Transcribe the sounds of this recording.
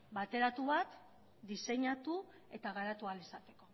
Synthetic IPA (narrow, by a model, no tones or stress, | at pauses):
bat̪e̞ɾat̪uβat̪ | d̪ise̞ɲat̪u | e̞t̪aɣaɾat̪ualesat̪e̞̥ko̞